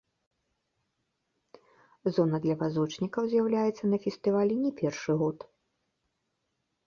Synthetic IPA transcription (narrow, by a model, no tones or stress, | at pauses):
zɔnɐd̪lʲɐvazɔt͡ʂnʲikɐwzʲjawlʲajɛt̪sːɐnɐfʲɛst̪ɨvalʲɛnʲɛpʲɛrʂɨɣɔt̪